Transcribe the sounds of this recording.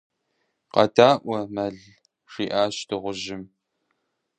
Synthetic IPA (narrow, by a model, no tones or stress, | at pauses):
qɐ̰daːʔʷɐmɐɮ | ʂiːʔaːɕtʰɨʁʷʊʒɪm